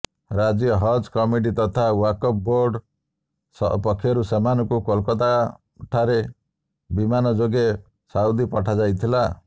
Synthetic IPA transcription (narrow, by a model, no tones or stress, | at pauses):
ɾad͡ʒjɔɦɔd͡ʒkɔmiʈ̬it̪ɔt̪ʰawakɔp̚boɾɖ | sɔ̰pɔkʰːjɔɾusemanɔkukɔlkɔt̪a | ʈʰaɾe | bimanɔd͡ʒoɡe | saud̪ipɔʈʰad͡ʒajt̪ʰila